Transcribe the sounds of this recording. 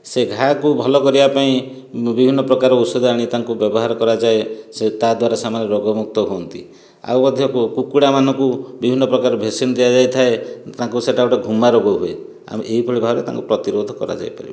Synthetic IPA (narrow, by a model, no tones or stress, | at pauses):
seɡʱakubʱɔlɔkɔɾibapaĩ | bibʱinːɔpɾɔkaɾɔusod̪ʱɔaɽ̃it̪aŋkubjɔbɔɦaɾɔkɔɾad͡ʒaeset̪ad̪waɾasamaneɾɔɡɔmuk̚t̪ɔɦuɔnt̪i | a̰wmɔd̪ʱjɔkukuɽamanɔŋkubibʱinːɔpɾɔkaɾɔbʱesinɔd̪ead͡ʒajt̪ʰaet̪ãŋkuseʈauʈeɡʱumaɾɔɡɔɦue | a̰meʔeɦipʰɔɭibʱaɾet̪a̰ŋkupɾɔt̪iɾod̪ʱɔkɔ̰ɾa̰d͡ʒa̰jpa̰ɾḭb